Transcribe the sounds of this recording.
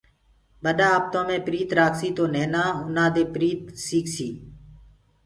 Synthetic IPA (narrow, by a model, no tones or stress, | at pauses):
ɓəɗaːp̚t̪õːmẽːpɾiːt̪ɾaːksiːt̪oːnẽːnãːʊnãːd̪eːpɾiːt̪siːksiː